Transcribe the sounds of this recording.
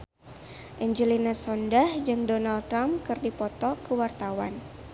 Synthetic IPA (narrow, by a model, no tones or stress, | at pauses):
ʔɛɲd͡ʒəlinasɔndahd͡ʒɨŋdonalt̪ɾamkɨrdipɔt̪ɔkəwart̪awa̰n